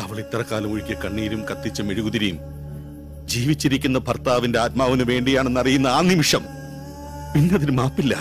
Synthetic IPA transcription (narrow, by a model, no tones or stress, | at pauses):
ɐʋɐɭit̪ːɐrɐkaːlɐmoɻikʲːɐkɐɳːiːɾumkɐt̪ːit͡ɕːɨmeɻuɣuðiɾijum | d͡ʑiːʋit͡ɕːiɾikʲːunːɐpɐrt̪aːʋinde̞aːt̪̚maːʋinɨʋe̞ːɳɖijaːɳe̞nːɐrijunːɐaːnimiʂɐm | pinːeɐðiɾmaːpːilːɐ̰